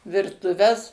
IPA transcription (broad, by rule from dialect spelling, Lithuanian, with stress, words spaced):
ʋʲɪrtʊˈʋʲɛs